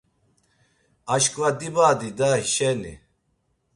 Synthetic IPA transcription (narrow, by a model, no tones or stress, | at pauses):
aʃkʼvad̪ibaːd̪id̪aʃɛnḭ